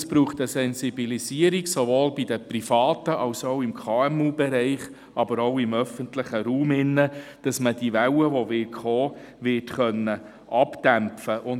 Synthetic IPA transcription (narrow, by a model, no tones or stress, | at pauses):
sb̥ɾuːχtəsɛnsibilisiəɾiɡsoʋoːlbid̥əprifɑːt̪əʔɑʊsoʊɪmkʰɑːɛmuːbɛɾɛɪχ | ɑbəɾoʊɪmœfəntlɪχəɾuːmɪnːəd̥ɑsməd̥iʋɛwəʋoʋɪkχoː | ʋɪtχœnːə | ʔɑpd̥æmfəʔʊn